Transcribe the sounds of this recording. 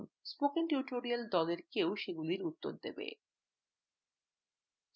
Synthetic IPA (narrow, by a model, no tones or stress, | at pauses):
nspokenʈuʈoɾiald̪ɔleɾkewʃeɡuliɾut̪ːoɾd̪ḛbḛ